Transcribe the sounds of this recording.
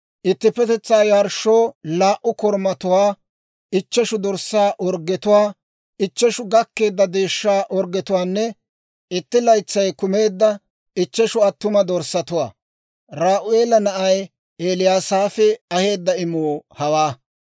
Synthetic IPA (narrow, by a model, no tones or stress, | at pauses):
ʔɪt̪ːɪpːɛt̪ɛt͡sːaːjaɾʃoːlaːʔʊkɔɾmɐt̪ʊwaː | ɪt͡ʃːɛʃʊd̪ɔɾsaːʔɔɾɡɛt̪ʊwaː | ɪt͡ʃːɛʃʊɡɐkːe̞ːd̪ːɐd̪e̞ːʃːaːʔɔɾɡɛt̪ʊwaːnːɛ | ɪt̪ːɪlɐjt͡sːɐjkʊme̞ːd̪ːɐ | ɪt͡ʃːɛʃʊɐt̪ːʊmɐd̪ɔɾsːɐt̪ʊwaː | ɾaːʔʊeːlɐnɐʔɐj | eːlɪjaːsaːfɛɐhe̞ːd̪ːɐɪmoːhɐwaː